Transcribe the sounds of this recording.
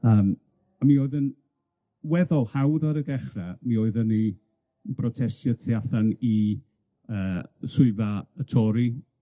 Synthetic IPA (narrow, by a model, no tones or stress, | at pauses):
əːm | amioɨðən | wɛðɔlˠhawðaɾəɡɛχramioɨðəni | nbrɔtʰɛstjətʰjaθani | əːsʊɨvaətʰɔɾi